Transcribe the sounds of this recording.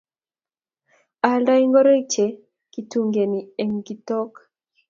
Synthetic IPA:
a˨lda˦i˦ŋɡɔ˦ɾe˦t͡ʃe˨ | ki˨tu˨ŋɡe˨ni˨ɛ˨ŋɡi˨tɔ˦k

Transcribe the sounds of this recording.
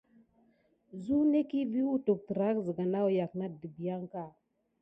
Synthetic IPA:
zu˦ne˦ki˦vi˦wu˦tu˨k̚tə˨ɾa˦kzə˨ɡa˨na˦wja˨kna˦˨di˨bi˨ja˦ŋka˦˨

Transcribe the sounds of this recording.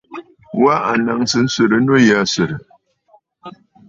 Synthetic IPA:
wa˦a˨na˨ŋsɨ˦n̩˦sɨ˨ɾɨ˨˦no˦ja˦˨sɨ˨ɾɨ˨

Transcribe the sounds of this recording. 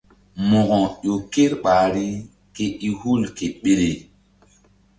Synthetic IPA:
mo˨ɣɔ˨jo˨ke˦ɾɓa˨ɾi˦ | ke˨i˦hu˦lke˨ɓe˦ɾe˨

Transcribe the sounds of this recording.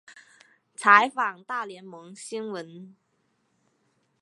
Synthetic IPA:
t͡sʰa˧˥ɪfɑ˨˩ŋt̪a˥˩ljɛ˧˥nmɤ˧˥ŋɕi˥nwə˧˥n

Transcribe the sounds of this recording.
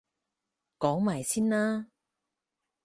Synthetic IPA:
kɔː˨˥ŋmaː˨˩jsiː˥naː˥

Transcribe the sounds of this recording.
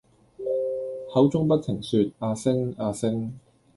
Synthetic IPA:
hɐ˨˥wt͡sʊ˥ŋpɐ˥t̚t̪ʰɪ˨˩ŋsyː˧t̚aː˧sɪ˥ŋaː˧sɪ˥ŋ

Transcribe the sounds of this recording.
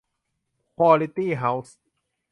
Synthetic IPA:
xʰwɔː˧li˧t̪iː˥˨ɦa˨˦ws

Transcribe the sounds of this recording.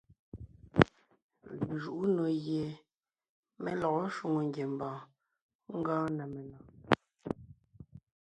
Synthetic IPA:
ʒu˨ʔu˦no˨ɣje˨ | mɛ˦lɔ˨ɔ˦ʃu˦˨ŋo˨ŋ˨ɡje˨m˨bãː˨ | ŋ̩˦ɡãː˦nɛ˨mɛ˨na˨

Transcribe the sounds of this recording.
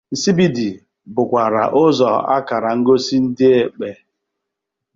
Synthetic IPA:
si˦bi˦di˨ | bʊ˨kʷa˨ɾa̰˨ʔʊ˦zɔ˨a̰˦ka˨ɾa˨ŋ̩˦ɡo˦si˦n̩˦dɪ˦e˨k͡pe˨

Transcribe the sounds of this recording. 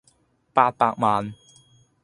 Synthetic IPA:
pa˧t̪a̰˧˨k̚ma˨˦n

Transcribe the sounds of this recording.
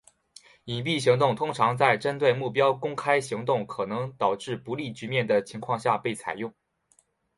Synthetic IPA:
i˨˩pi˥˩ɕi˧˥ŋt̪ʊ˥˩ŋt̪ʰʊ˥ŋʈ͡ʂʰɑ˧˥ŋt͡sa˥˩ɪʈ͡ʂə˥nt̪we˥˧ɪmu˥˩pjɑ˥ʊkʊ˥ŋkʰa˥ɪɕi˧˥ŋt̪ʊ˥˩ŋkʰɤ˨˩nɤ˧˥ŋt̪ɑ˨˩ʊʈ͡ʂɻ̩˥˩pu˧˥li˥˩t͡ɕy˧˥mjɛ˥˩nd̪ə˩t͡ɕʰi˧˥ŋkʰwɑ˥˧ŋɕja˥˧pe˥˩ɪt͡sʰa˨˩ɪjʊ˥˩ŋ

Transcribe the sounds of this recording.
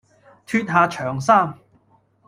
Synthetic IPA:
t̪ʰyː˧t̚ɦaː˨˧t͡ʃʰœː˨˩ŋsaː˥˩m

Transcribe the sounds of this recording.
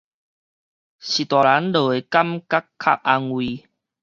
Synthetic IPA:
ɕi˨˩t̪wa˨la˨˦nlə˨˩e˨˩ka˦mka˦kʰːa̰˦˨p̚a˧ŋwi˧

